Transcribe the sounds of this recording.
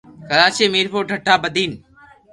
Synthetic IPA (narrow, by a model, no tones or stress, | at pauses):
kəɾaːt͡ʃeːmiːɾpʰoːʈəʈʰːaːbəd̪ʱiːn